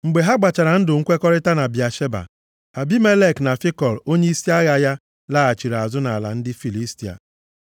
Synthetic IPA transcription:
ŋ͡m̩˨ɡ͡be˨ɦa˦ɡ͡ba˨t͡ʃa˨ɾa˨n̩˦dʊ˨ŋ̩˦kʷe˦kɔ˦ɾɪ˦ta˦na˨bja˨ʃe˦ba̰˨ | ha˨bi˦me˦le˦˨kna˨fɪ˦kɔ˨lo˦ɲe˦i˦si˦a˦ɣa˦ja˦ | la˦a˨t͡ʃi˨ɾa˨zʊ˦na˨la̰˨n̩˦dɪ˦fi˨li˦sti˨a̰˨

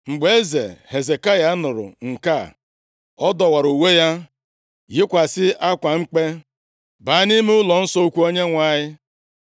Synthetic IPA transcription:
ŋ͡m̩˨ɡ͡be˦ze˨he˨ze˨ka˦ja˨˦nʊ˨ɾʊ̰˨ŋ̩˨ka˦˨ | ɔ˦dɔ˨wa˨ɾu˨we˦ja˦ | jɪ˦kʷa˨sɪ˦a˦kʷa˨ŋ͡m̩˦k͡pe˦ | baː˨˦ni˦me˦ʊ˦lɔ˨n̩˦sɔ˦o˦kʷu˦o˦ɲe˦ŋʷa˨ɲɪ˦

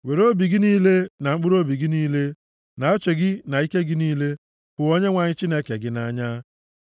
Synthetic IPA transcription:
we˨ɾo˦bi˨ɡɪ˦niː˦le˦na˨ŋ͡m̩˦k͡pʊ˦ɾo˦bi˨ɡɪ˦niː˦le˦ | na˨o˦t͡ʃe˨ɡɪ˦na˨i˦ke˦ɡɪ˦niː˦le˦ | bʊ˨o˦ɲe˦ŋʷa˨ɲɪ˦t͡ʃi˦ne˦ke˨ɡɪ˦na˦ɲa˦

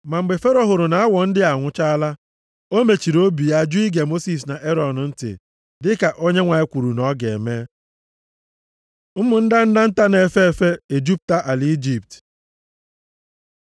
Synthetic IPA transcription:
ma˨ŋ͡m̩˨ɡ͡be˨fe˦ɾo˦ɦʊ˨ɾʊ˨na˨a˦wɔ˨n̩˦dɪ˦a˨ŋʷʊ˦t͡ʃa˦a˦la˦ | o˦me˨t͡ʃi˨ɾo˦bi˨a˦˨d͡ʒʊ˦i˦ɡe˨mo˦si˨s̬na˨ʔe˦ɾɔ˨n˨n̩˦tɪ̰˨ | dɪ˦ka˨ʔo˦ɲe˦ŋʷa˨e˦kʷu˨ɾu˨nɔ˦ɡe˨me˦ | m̩˦mʊ˨n̩˦da˦n̩˦da˦n̩˦ta˦ne˨fe˦˨fe˦e˨d͡ʒu˦p̚ta˦ʔa˨li˦d͡ʒi˨p̚t

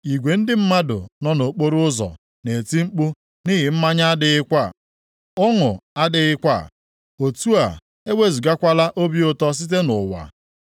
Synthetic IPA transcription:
i˨ɡʷe˨n̩˦dɪ˦m̩˦ma˦dʊ̰˨nɔ˦no˨k͡po˦ɾʊ˦ʊ˦zɔ̰˨ | ne˨ti˦ŋ͡m̩˦k͡pu˦ | ni˦ɦɪ˨m̩˦ma˦ɲa˦a˦dɪ˨ɪ˦kʷa˦˨ | ʊ˦ŋʊ˨a˦dɪ˦ɪ˦kʷa̰˦˨ | o˨tu˦a̰˨ | e˦we˦˨zu˨ɡa˦kʷa˦la˦ʔo˦bi˦ʊ˦tɔ˦s̬i˦t̬e˦nʊ˨wa̰˨

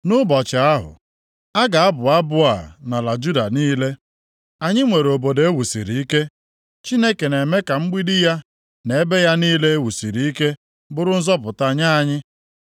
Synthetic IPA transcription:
nʊ˦bɔ˨t͡ʃa˨a˦ɦʊ̰˨ | a˦ɡa˨a˦bʊ˨a˦bʊ˦a˨na˨la˨d͡ʒu˦da˨niː˦le˦ | a˨ɲɪ˦ŋʷe˨ɾo˨bo˨dee˦wu˨sḭ˨ɾi˨i˦ke˦ | t͡ʃi˦ne˦ke˨ne˨me˦ka˨ŋ͡m̩˦ɡ͡bi˦di˦ja˦ | ne˨e˦be˦ja˦niː˦le˦e˦wu˨si˨ɾi˨i˦ke˦ | bʊ˦ɾʊ˦n̩˦zɔ˦pʊ˨ta˦ɲa˦a˨ɲɪ˦

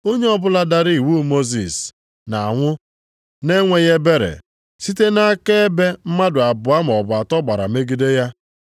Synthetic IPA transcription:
o˦ɲe˦ɔ˦bʊ˦la˦da˦ɾi˦˨wu˦mo˦zḭ˨s | na˨a˨ŋʷʊ˦ | ne˦ŋʷe˨je˦be˦ɾḛ˨ | si˦te˦na˦ke˦e˦be˦m̩˦ma˦dʊ˨a˨bʊ˨a˦m̩˨ɔ˨bʊ˨a˨tɔ˦ɡ͡ba˨ɾa̰˨me˦ɡi˦de˦ja˦

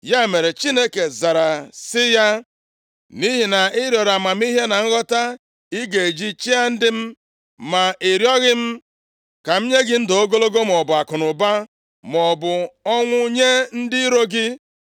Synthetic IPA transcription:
ja˦e˨me˨ɾe˨t͡ʃi˦ne˦ke˨za˨ɾa˨sɪ˦ja˦ | ni˦ɦi˨na˨ɪ˦ɾjɔ˨ɾa˨ma˨m̩˦i˦ɦe˦na˨ŋ̩˦ɣɔ˦ta˦ | i˦ɡe˨e˨d͡ʒi˦t͡ʃi˦a˦n̩˦dɪ˦m̩˦ | ma˨ʔi˨ɾjɔ˦ɣɪ˦m̩˦ | ka˨m̩˦ɲe˦ɡɪ˦n̩˦do˦ɡo˦lo˦ɡo˦m˨ɔ˨bʊ˨a˨kʊ˨nʊ˨ba˦ | m˨ɔ˨bʊ˨ɔ˦ŋʷʊ˦ɲe˦n̩˦dɪ˦i˦ɾo˦ɡɪ˦

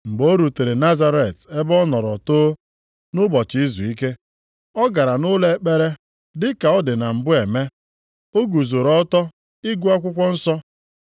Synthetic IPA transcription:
m̩˨ɡ͡bo˦ɾu˨te˨ɾe˨na˦za˦ɾe˨te˦bɔ˦nɔ˨ɾɔ˨toː˦ | nʊ˦bɔ˨t͡ʃɪ˨i˦zu˨i˦ke˦ | ɔ˦ɡa˨ɾa˨nʊ˦le˦k͡pe˦ɾe˦ | dɪ˦ka˨ɔ˦dɪ˨na˨m̩˨bʊ˦e˨me˦ | o˦ɡu˨zo˨ɾɔ˦tɔ˦ | i˦ɡu˦a˦kʷʊ˦kʷɔ˦n̩˦sɔ˦

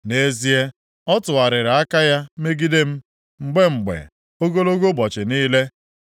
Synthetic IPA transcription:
ne˦zi˦e˦ | ɔ˦tʊ˨a˨ɾɪ˨ɾa˨a˦ka˦ja˦me˦ɡi˦de˦m̩˦ | ŋ͡m̩˦ɡ͡be˦ŋ͡m̩˨ɡ͡bḛ˨ | o˦ɡo˦lo˦ɡo˦bɔ˨t͡ʃɪ˨niː˦le˦

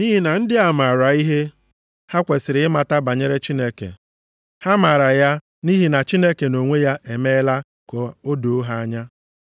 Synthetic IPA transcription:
ni˦ɦi˦na˨n̩˦dɪ˦a˨ma˨ɾa˨i˦ɦe˦ | ha˦kʷe˨sɪ˨ɾɪ˨ɪ˦ma˨ta˦ba˨ɲe˦ɾe˦t͡ʃi˦ne˦kḛ˨ | ha˦ma˨ɾa˨ja˦ | ni˦ɦi˦na˨t͡ʃi˦ne˦ke˨no˨ŋʷe˦ja˦ʔe˨me˦la˦ | kɔ˨o˦do˨˦ɦa˦a˦ɲa˦

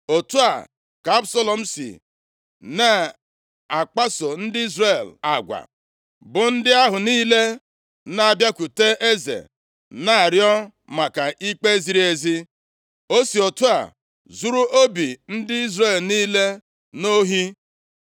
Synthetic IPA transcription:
o˨tu˦a˨ | ka˨a˦bso˦lɔ˨m̩˦sḭ˨ | na˨ | a˨k͡pa˦so˨n̩˦dɪ˦i˦zre˨la˨ɡʷa̰˨ | bʊ˨n̩˦dɪ˦a˦ɦʊ˨niː˦le˦ | na˦a˨bja˦kʷu˨te˦ʔe˦zḛ˨ | na˦a˨ɾjɔ˦ | ma˨ka˨ʔi˦k͡pe˦zi˨˦ɾi˦e˨zi˦ | o˦si˨o˨tu˦a̰˨ | zu˦ɾu˦ʔo˦bi˨n̩˦dɪ˦i˦zɾe˦˨lniː˦le˦ | no˦ɦi˦

